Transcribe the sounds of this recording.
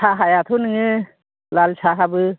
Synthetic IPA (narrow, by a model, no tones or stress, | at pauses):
sʰaɦajat̪ʰunɯŋɯ | lalsʰaɦabɯ